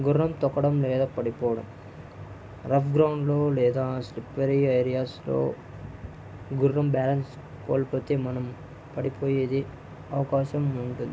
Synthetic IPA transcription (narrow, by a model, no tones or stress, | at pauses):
ɡuɾːɐmt̪ɔkːɐɽɐmlɛːd̪aːpɐɽipɔːʋɐɽɐm | ɾɐpɡɾɐwɳɖlo̞ːlɛːd̪aːslipːɐɾiɐjɾijaːslo̰ː | ɡurːɐmbaːlɐns | ko̰ːlipo̞ːt̪e̞ːmɐnɐm | pɐɽipo̞ːjeːd̪i | ɐʋɐkaːʃɐmuɳʈund̪i